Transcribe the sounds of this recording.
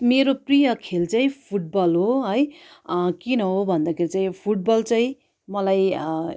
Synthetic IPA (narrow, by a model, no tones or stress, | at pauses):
meɾoprijʌkʰelt͡saĩpʰuʈ̚bʌlɦoɦʌj | kinʌɦobʱʌnd̪akʰeɾit͡saĩpʰuʈ̚bʌlt͡saĩ | mʌlaj